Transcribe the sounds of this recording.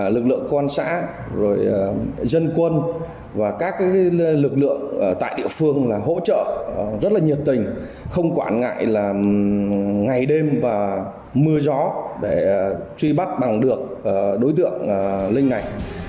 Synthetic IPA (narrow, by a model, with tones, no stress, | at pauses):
lɨ˨˩k̚lɨ̰˧˨əŋkwa˧nsa̰ː˧˥ | zo˨˩jzə˧nkwə˧n | vaː˨˩kaː˦˥k̚ːlɨ˨˩k̚lɨ̰˧˨əŋː˨˩t̪a̰ː˧˨jɗḭ˧˨əfɨ˧əŋlaː˨˩ɦo̰˧˥t͡ɕə̰ː˧˨zə˦˥t̚laː˨˩ɲi˨˩əp̚t̪ï˨˩ŋ̟xə˧wŋ͡mkwaː˧˩nŋa̰ː˧˨jlaː˨˩ | ŋa˨˩jɗe˧mvaː˨˩ | mɨ˧əzɔ˨˦ɗe˧˩t͡ɕwi˧ɓa˦˥t̚ɓa˨˩ŋɗɨ˨˩ək̚ʔɗo˨˦jt̪ɨ̰˧˨əŋː˨˩lï˧ŋ̟na˨˩j